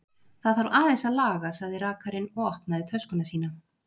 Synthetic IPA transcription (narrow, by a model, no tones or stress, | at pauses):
θaðθaɾvaːðɛnsaðlaːɣasaɣðɪɾaːkaɾɪnɔɣɔhpnaðɪt̪ʰœskʏnasiːna